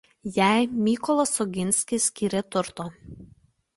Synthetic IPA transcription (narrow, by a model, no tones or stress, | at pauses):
jæˑɪmʲiːkɔlˠɔsɔɡʲɪnʲsʲkʲɪsʲkʲiːɾʲet̪ʊɾt̪oː